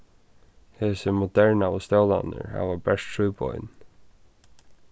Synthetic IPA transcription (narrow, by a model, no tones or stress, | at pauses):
heːsəmɔd̪ɛɹnaɔst̪ɛwla̰nə̰ɹha̰vabɛʂt̪ɹuːbɔ̰jn